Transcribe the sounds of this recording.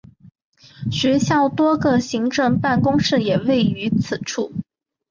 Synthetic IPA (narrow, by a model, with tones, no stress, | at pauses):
ɕɥɛ˧˥ɕjɑ˥˩ʊt̪wɔ˥ɡə˧ɕi˧˥ŋʈ͡ʂɤ˥˧ŋpa˥˩nkʊ˥ŋʂɻ̩˥˩jɛ˨˩we˥˩ɪy˧˥t͡sʰɹ̩˨˩ʈ͡ʂʰu˥˩